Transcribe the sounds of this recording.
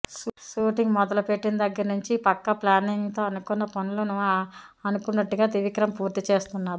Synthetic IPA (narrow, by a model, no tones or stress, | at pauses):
ʃuːʈiŋɡmɔd̪ɐlupe̞ʈːinɐd̪ɐɡːɐɾɐnuɲt͡ʃipɐkːɐplaːniŋɡt̪o̞ːɐnukunːɐpɐnulɐnuʋaɐnukunːɐʈːuɡaːt̪iʋikɾɐmpuːɾt̪it͡ʃe̞ːst̪unːaːɾ